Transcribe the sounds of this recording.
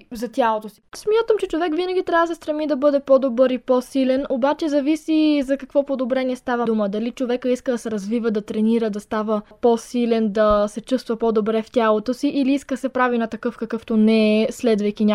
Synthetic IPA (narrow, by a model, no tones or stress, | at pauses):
zɐt̪ʲalˠot̪osi̥smʲjat̪əmt͡ʃɛt͡ʃovɛkvinɐɡʲit̪ɾʲjavəsɛst̪ɾɐmid̪ɐbɤd̪ɛpɔd̪obɤɾipɔsilɛnobat͡ʃɛzɐvisizɐkɐkvɔpod̪obɾɛniɛst̪avəd̪uməd̪ɐlit͡ʃovɛkəiskəd̪ɐsɛɾɐzvivəd̪ɐt̪ɾɛniɾəd̪ɐst̪avəposilɛnd̪ɐsɛt͡ʃust̪vəpod̪obɾɛft̪ʲalˠot̪osiʔiliiskəsɛpɾavinɐt̪ɐkɤfkɐkɤft̪onɛslɛd̪vəjkinʲa